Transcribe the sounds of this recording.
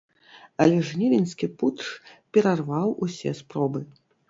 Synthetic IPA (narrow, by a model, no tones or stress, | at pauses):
ɐlʲɛʐnʲivʲinʲskʲiput̪ʂpʲɛɾarvawʔusʲɛspɾɔbɨ